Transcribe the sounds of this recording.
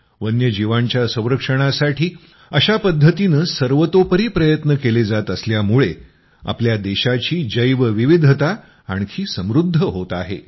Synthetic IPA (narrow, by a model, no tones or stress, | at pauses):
ʋənjəd͡ʑiʋaɲt͡ɕjasə̃w̃ɾəkʂəɽ̃asaʈiː | əɕapəd̪ʱːət̪inəsəɾʋət̪opəɾiːpɾəjət̪nəkeled͡zat̪əsljamuɭe | a̰pljad̪eɕat͡ɕiːd͡ʑəjʋəʋiʋid̪ʱət̪a | a̰ɳkʰiːsə̃mɾud̪ʱːəɦot̪aɦḛ